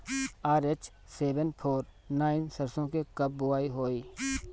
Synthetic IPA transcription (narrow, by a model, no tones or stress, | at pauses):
aːɾet͡ʃ | seːʋənpʰoːɾ | naːɪnsəɾsõːkekəb̚ːʊaːiɦoːiː